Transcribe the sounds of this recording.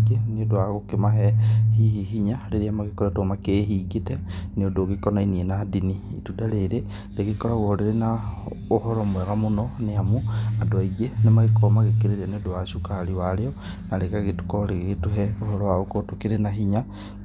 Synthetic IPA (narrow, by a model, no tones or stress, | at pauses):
ɡenodwaɣukimaɦehihiɦiɲaleɾiamakikoɾatomakeɦiɡiteniodokikonainienadinḭːtudaleɾe | lekikoɾaɣoholiɾena | oholomweɣamunoneamuadwaiɡenemakikomakikiɾeɾeniodwaʃukaliwalejo | nalekaɣitu̥kolekkituɦeoholowaokotukiɾenaɦiɲa